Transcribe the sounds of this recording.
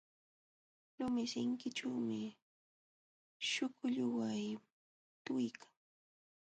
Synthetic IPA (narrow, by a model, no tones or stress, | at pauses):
lʊmɪsɪŋkɪʈ͡ʂawmɪ | ʃʊkʊʎʊwaj | t̪ʊjkʰḁŋ